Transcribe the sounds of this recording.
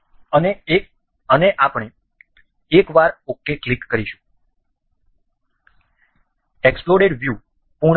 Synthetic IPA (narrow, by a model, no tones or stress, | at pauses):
əne | əneʔapɳe | ekʋaɾokːeklikːəɾiʃu̥ | eksploɽeɖʋju | puɳ